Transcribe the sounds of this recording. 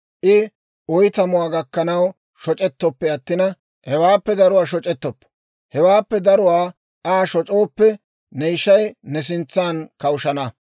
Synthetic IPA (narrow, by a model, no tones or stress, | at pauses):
ʔɪ | ɔjt̪ɐmʊwaːɡɐkːɐnɐw | ʃɔt͡ʃʼɛt̪ːɔpːɛɐt̪ːɪnɐ | hɛwaːpːɛd̪ɐɾʊwaːʃ̬ɔt͡ʃʼɛt̪ːɔpː | hɛwaːpːɛd̪ɐɾʊwaː | aːʃɔt͡ʃʼo̞ːpːɛ | nɛjʃːɐjnɛs̬ɪnt͡sːaːnkɐwʊʃɐnɐ